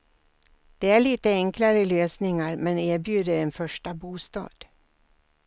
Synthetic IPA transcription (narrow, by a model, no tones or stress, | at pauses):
d̪̥ɛæɭiːt̪əɛŋklaɾəɪløːsnɪŋaɾmɛnæːɾbjʉ̟ːd̪əɾɛnfœʂʈabuːst̪ɑ̰ːd̪̥